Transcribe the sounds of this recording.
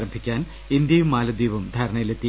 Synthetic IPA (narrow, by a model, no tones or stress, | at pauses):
ɾɐmbʱikʲːaːn | ind̪jɐjumːaːlɐd̪iːʋɐmd̪ʱaːɾɐɳɐjilet̪ːi